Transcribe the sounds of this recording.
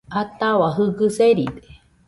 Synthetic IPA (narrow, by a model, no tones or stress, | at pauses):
at̪awaɦɯɡɨseɾid̪e̥